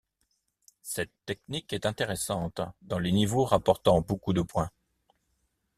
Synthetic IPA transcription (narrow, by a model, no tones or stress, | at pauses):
sɛt̪ːɛknikɛt̪ɛ̃t̪eʁɛsɑ̃t̪d̪ɑ̃lenivoʁapɔʁt̪ɑ̃bokud̪əpwɛ̃